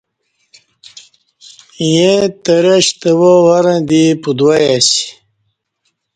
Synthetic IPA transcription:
jẽt̪əɾɐɕt̪əwowaɾãd̪ipud̪wajasi̥

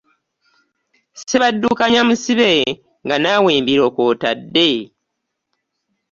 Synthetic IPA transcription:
seβadːuːkaɲamusiβe | ŋɡanaːweːmbiɾo̞ːkoːtadːe̞

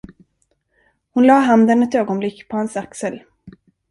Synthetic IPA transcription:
hʊnlɑːɦand̪ənɛt̪øːɡɔnblɪkːpʰɔhɛnsaksəl

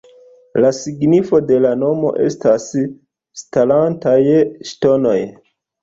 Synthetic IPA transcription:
lasiɡnifo̞de̞lano̞mo̞̰ʔe̞̰stas | stalantajʃto̞no̞j

